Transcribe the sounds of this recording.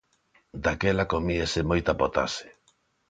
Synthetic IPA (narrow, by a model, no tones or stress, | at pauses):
d̪akɛlakomiesemojt̪apot̪a̰se̥